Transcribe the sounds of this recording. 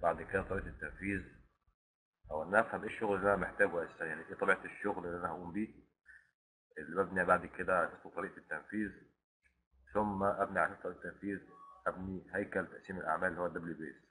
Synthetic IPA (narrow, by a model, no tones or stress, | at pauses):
baʕd̪kɪd̪æt̪ˤɑɾiːʔt̪ɪt̪ːanfiːz | ʔawalnafhamʔeːʃːʊɣlɪlːiʔænamɪħt̪aːɡwʔassamjaʕniʔiːt̪ˤɑbiʕt̪ɪʃːʊɣlɪlːiʔænahaʔuːmbiː | ʔɪlːibabniʕbaʕd̪ikɪd̪aħɑsˤut̪ˤɑɾiːʔt̪ːanfiːz | θʊmːaʔabniʕaʃɑɾˤt̪ːˤɑɾiːʔt̪ːanfiːzʔabnihajkalt̪aʔsiːmɪlʔa̰ʕmaːlːihuwːad̪æblibḛːs